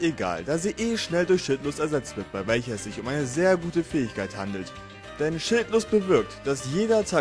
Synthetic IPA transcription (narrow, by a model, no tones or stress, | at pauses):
eɡa̰ːldaːziːʔeːʃnɛldʊɐçʃɪltlʊːstɛɐzɛt͡stv̥ɪɐt̚b̥aɪvɛlçɐɛsz̥ɪçʊmʔaɪnəzeːɐɡuːtəfɛːɪçkʰaɪthandl̩t | d̥ɛnʃɪltlʊːst̚b̥əvɪɐk̚td̥asjeːdɐtʰaː